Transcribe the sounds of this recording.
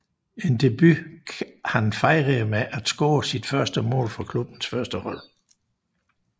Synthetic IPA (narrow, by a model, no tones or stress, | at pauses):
e̝nd̥e̝b̥y | hænfɑ̈ɪʁemeʔæd̥sɡ̥ɔ̰ːsid̥fɶɐsd̥əmɔ̰̽ːlfɑ̈kʰlub̥n̩sfɶɐsd̥əhɒ̽l̰